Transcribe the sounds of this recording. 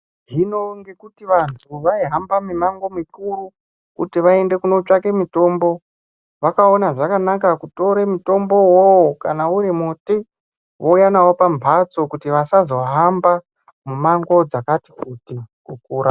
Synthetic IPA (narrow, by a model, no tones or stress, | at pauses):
ɦino̞ŋɡe̞kutiʋantʰuʋaiɦambamimaŋɡo̞mikuɾu | kṵtiʋae̞nde̞kuno̞t͡ʂake̞mito̞ːmbo̞ | ʋakao̞naʐakanakakuto̞ɾemito̞mbo̞wowokanauɾimuti | ʋoujanawo̞pambʱat͡so̞kutiʋasazo̞ɦamba | mumaŋɡo̞d͡zakati̥kutikuk̚uːɾa